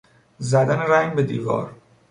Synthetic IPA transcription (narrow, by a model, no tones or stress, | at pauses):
zæd̪æneɾæŋɡbe̞d̪iːvɒ̰ːɾ